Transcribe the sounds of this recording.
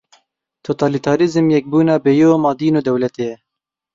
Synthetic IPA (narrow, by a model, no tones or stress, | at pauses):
t̪ʰoːt̪ɑːlit̪ʰɑːɾizɨmjɛk̚buːnɑːbeːjoːmɑːd̪iːnoːd̪ɛwlɛt̪eːjɛ